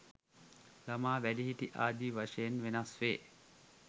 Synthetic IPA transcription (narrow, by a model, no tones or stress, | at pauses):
lamaːʋæliɦiʈ̪iʔaːd̪iːʋaʂɐjenʋenasʋeː